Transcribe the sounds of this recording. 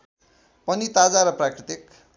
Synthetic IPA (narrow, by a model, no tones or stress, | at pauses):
pʌnit̪ad͡zaɾʌprakrit̪ik